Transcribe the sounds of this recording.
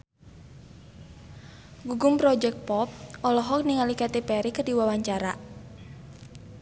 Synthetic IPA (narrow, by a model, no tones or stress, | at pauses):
ɡuɡʊmpɾɔd͡ʒɛk̚t̪̚pɔp̚ʔɔlɔɦɔk̚niŋalikat̪epɛɾikərdiwawaɲt͡ʃaɾa